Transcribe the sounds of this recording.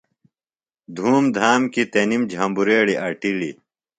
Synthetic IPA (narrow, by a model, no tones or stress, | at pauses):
d̪ʱuːmd̪ʱaːmkit̪enimd͡ʑʱɐmbuɾeːɽiʔɐʈilḭ